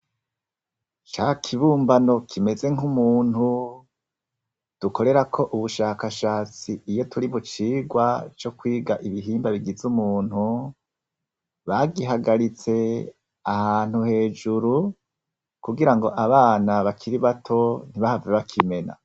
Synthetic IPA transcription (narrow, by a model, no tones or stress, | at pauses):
t͡ʃakʰiβuːmbano̞kʰime̞ze̞ŋumuːn̥hu | d̥uko̞ɾe̞ɾakʰo̞ʔuβuʃaːkaʃaːt͡siːjo̞tuɾiβut͡ʃiːɡwat͡ʃo̞kwiːɡaʔiβiɦiːmbaβiɡizumuːn̥hu | βaɡiɦaɡaɾit͡se̞ | ahaːn̥uhe̞ːd͡ʒuɾu | kuɡiɾaŋɡo̞ʔaβaːnaβakʰiɾiβatʰo̞n̥iβahaveβakʰime̞na̰